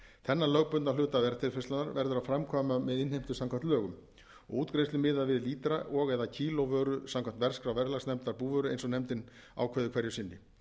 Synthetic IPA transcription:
θɛnːalœɣpʏnalʏːt̪aðɛɾt̪ʰɪlfɛst̪anaɾvɛɾðʏɾafɾamkʰɔːmamɛðɪnhejm̥t̪ʏsamkʰant̪lœːɣʏm | ɔɣuːt̪kɾejst̪ʏmɪːðavɪðliːt̪ɾaʔɔɣɛðacʰiːlowvœːɾʏsamkʰamn̥t̪vɛr̥skɾawvɛɾlasnɛmt̪aɾpuːvœːɾʏḛjnsɔnejmt̪ɪn | a̰wkʰvœðʏkʰvɛɾjʏsɪnːɪ̰

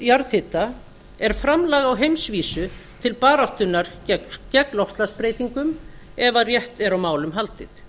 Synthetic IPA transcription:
jaɾðθɪt̪ːa | ɛɾ̥fɾamlaːɣawɦejmsviːsʏt̪ʰɪlpaːɾawht̪ʏnːaɾ̥ | cɛklɔhst̪laspɾeːjt̪iŋkʏm | ɛvarjɛht̪ɛɾawmaːwlʏmɦal̪t̪ɪt̪

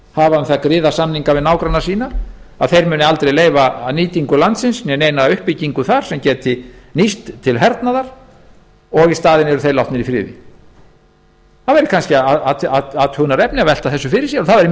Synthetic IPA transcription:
havaaθakɾɪːðasamniŋkavɪðnaːwkɾanːasiːnaa̰ðθejɾmʏːnɪalt̪ɾejleːjvaniːt̪iŋkʏlant̪sɪnsnɛneːjnaaʏhpiciŋkʏθaɾ̥sɛmcɛːt̪ɪnist̪t̪ʰɪlɦɛɾt̪naðaɾ̥ | ɔɣist̪aːðɪnɛɾʏθejlawht̪nɪɾifɾɪ̰ːðɪ̰ | θaðvɛɾɪkʰanscɪaaaaaðhʏnaɾɛpnɪavɛl̥t̪aθɛsːʏfɪɾɪ̥sjɛɾɔθaðvɛɾɪ

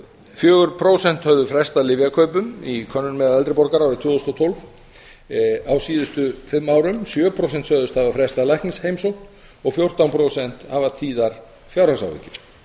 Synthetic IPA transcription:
fjœːɣʏɾpʰɾoːwsɛn̥t̪hœvðʏfɾɛst̪alɪvjakʰœɥpʏmikʰœnːʏnmɛðaɛlt̪ɾɪpɔɾkaɾawɾɪt̪ʰʏːðɔst̪ɔt̪ʰolv | awsiːðʏst̪ʏfɪmːaːwɾʏmsjœːpʰɾows̬ɛn̥t̪sœðʏst̪havafɾɛst̪alajhnɪsheːjmsowkt̪ | ɔɣfjowr̥t̪awnpʰɾowsɛn̥t̪havat̪ʰiːðaɾ̥ | fjawɾhasa̰wvɪ̰cːɪɾ̥

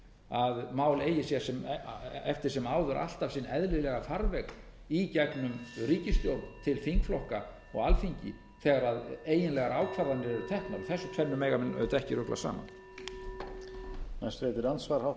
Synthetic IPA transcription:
aðmaːwleːjɪsjɛɾ̥sɛmɛft̪ɪɾ̥sɛmaːwðʏɾʔa̰l̥t̪afsinɛðlɪlɛɣafaɾvɛk | icɛknʏmriːcɪst̪jowpt̪ʰɪlfiŋkflɔhka | ɔ̰ɣalfiɲcɪ̰ | θɛːɣaɾaðeːjɪnlɛɣaɾaːwkʰvaɾðanɪɾɛɾʏt̪ʰɛhknaɪθɛsːʏt̪ʰɛnnːʏmeːjɣamɛnœ̰ðt̪ɛhcɪɾʏkla̰sa̰ːma̰n | nast̪ɾeːjt̪ɪɾansvaɾhaw

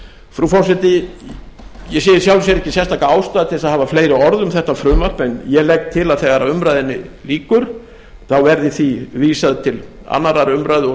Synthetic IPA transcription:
fɾufɔɾsɛt̪ɪ | jɛsiːjɪɾ̥sjawls̬jɛɾɛhcːɪsjɛst̪ʰaːkaaːwst̪aːðat̪ʰɪlsaðhaːvafleːjɾɪɔɾðʏmθɛht̪afɾʏːmar̥pɛnjɛlɛk̚t̪ʰːɪlaðθɛːɣaɾaʏmɾajðɪnːɪliːkʏɾ̥ | θawvɛɾðɪθiviːsaðɪt̪ʰɪl | a̰nːaɾaɾʏmɾajðɪɔ

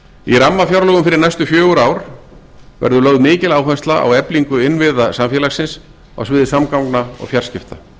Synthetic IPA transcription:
iramːafjawɾlœɣʏmfɪɾɪɾnajst̪ʏfjœːɣʏɾaːwɾ̥ | vɛ̰ɾðʏlœɣðmɪːcɪlaːwfɛnst̪laʔa̰wɛpliŋkʏɪnvɪðasamfjɛːlaxsɪns | a̰wsvɪːðɪsamkawknaɔ̰ɣfjar̥scɪft̪a

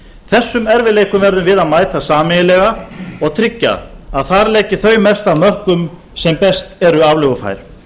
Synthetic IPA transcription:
θɛsːʏmɛɾvɪleːjkʏmvɛɾðʏmvɪðaðmaːjt̪asaːmɪjɪlɛɣaɔɣt̪ʰɾɪcːa̰ðaðθaɾlɛːcɪθœɥmɛst̪avmœhkʏm | sɛmpɛst̪ɛɾʏavlʏvʏfa̰ːjl̥

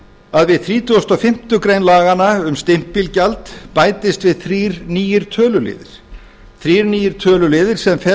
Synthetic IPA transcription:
aðvɪðθɾiːt̪ʰʏɔst̪ɔfɪm̥t̪ʏkɾejnlaːɣanaʏmst̪ɪm̥ppːɪlcalt̪paːjt̪ɪst̪vɪðθɾiːɾniːjɪɾ̥t̪ʰœːlʏlɪ̰ːðɪɾ̥ | θɾiːɾniːjɪɾ̥t̪ʰœːlʏlɪːðɪɾ̥sɛmfɛ

